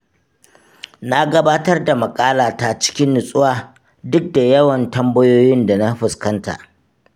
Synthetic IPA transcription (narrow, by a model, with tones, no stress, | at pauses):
na˦ɡɐ˦baː˦tɐ˦rda˨mɐ˨kʼaː˦laː˨ta˦˨t͡ʃɪ̥˦kʲɪ˦nːʊ˨sʼʊ˦waː˨ | dʊ˦k̚da˨jɐ˦wɐ˨ntɐ˦mbɐ˦joː˦jɪ˦nda˨na˦ɸɪ˨skɐ˦nta̰˨ʔ